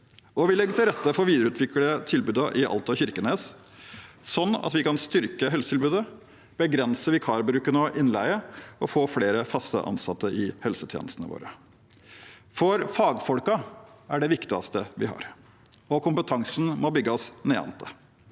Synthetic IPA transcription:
ɔʋɪlɛɡːət̪ʰɪɾɛt̪ːəfɔʋiːd̪əɾəʉːt̪ʰʋɪklət̪ʰɪlbʉːd̪ɑʔɪʔɑ̰lt̪ɑçɪɾkənəs | sɔnːɑ̰t̪ʋɪkɑnst̪ʏɾkəɦɛlsət̪ʰɪlbʉːd̪ə | b̥əɡɾɛnsəʋɪkʰɑːɾbɾʉːkənəɔʔɪnlæ̰ɪəɔfoːfleːɾəfɑst̪ə̰ʔɑ̰nsɑt̪ːəʔɪhɛlsət̪ʰjḛːnəst̪ənəʋo̰ːɾə | fɔɾfɑːɡfɔlkɑæɖɛʋɪkt̪ɪɑ̰st̪əʋɪhɑ̰ɾ | ɔkʰʊmpət̪ʰɑŋsn̩mɔbʏɡːəɔsneːɑ̰nt̪ʰə

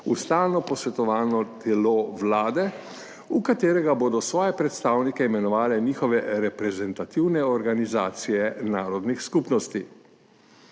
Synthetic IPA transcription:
ust̪aːlnɔpɔsʋɛt̪ɔʋaːnɔt̪ɛlɔʋlaːd̪ɛ | ukat̪eːɾɛɡaboːd̪ɔsʋɔːjɛpɾɛt̪st̪aːwnikɛimɛnɔʋaːlɛniːxɔʋɛɾɛpɾɛzɛnt̪at̪iwnɛɔɾɡanizaːt̪sijɛnaːɾɔd̪nixskupnɔst̪i

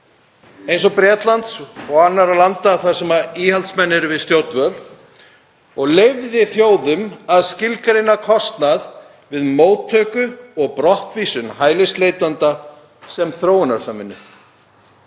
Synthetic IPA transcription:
ejns̬ɔpɾjɛːt̪lant̪sɔɣanːaɾalant̪aθaɾ̥sɛmaiːhalt̪smɛnːɪɾvɪðst̪jowt̪nvœl | ɔɣlejvðɪθjoːwðʏmaðscɪlkaɾɪnːakʰɔst̪nað | vɪðmoːwt̪ʰːœːkʏɔɣpɾɔht̪viːsʏnhaːjlɪst̪lejt̪ant̪a | sɛmθɾoːwʏnaɾ̥samɪnːʏ̰

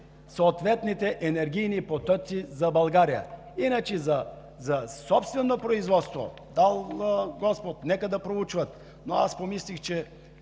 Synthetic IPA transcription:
soːt̪vɛt̪nit̪ɛʔɛnɛɾɡʲijnipot̪ɔsizɐbɐlˠɡaɾijə̰ | inət͡ʃɛzɐ | zɐsɔpst̪vɛnːopɾoizvɔt̪st̪vo̰ | d̪alˠɡɔspot̪nɛkəd̪ɐpɾout͡ʃvət̪ | noaspomislixt͡ʃɛ

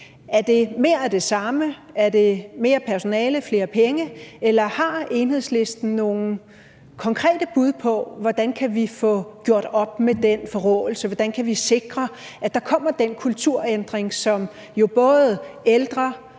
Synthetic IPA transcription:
ʔæɐd̥e̝me̝ɐæd̥e̝sɑ̈məæɐd̥e̝me̝ːɐpʰæɐso̝nɛːləfle̝ːɐpʰeŋəelɐhɑ̈e̝nhe̝ð̰ˠsle̝sd̥n̩no̝ːn̩ | kʰɒ̽ŋkʰʁɛ̰ːd̥əb̥uð̞̰ˠpʰɒ̽ʋɒd̥ænkʰæʋifɔ̽ɡ̥jo̝ɐ̰ɾ̥ɒ̽b̥med̥enfɒ̽ʁɔ̰ːl̩səʋɒd̥ænkʰæʋise̝ɡ̥ʁɐʔæd̥ɑ̈kʰɒ̽m̰ɐd̥enkʰult͡sʰuɐ̰end̥ʁeŋsɒ̽m | jo̝b̥ɔ̽ːð̩ˠeld̥ʁɐ

